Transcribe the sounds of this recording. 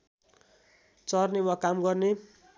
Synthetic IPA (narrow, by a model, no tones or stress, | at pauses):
t͡sʌrnewʌkamɡʌrne